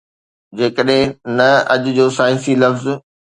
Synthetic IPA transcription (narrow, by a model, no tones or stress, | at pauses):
d͡ʑeːkəɗɦɪ̃nɐɐʄʊ̆d͡ʑoːsaːisilɐfz